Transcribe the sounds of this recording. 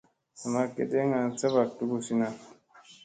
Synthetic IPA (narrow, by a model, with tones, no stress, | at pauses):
a˨ma˦kḛ˨de˦ŋa˨n˦sa˦βa˨k̚tu˦ɡu˦si˦na˦˨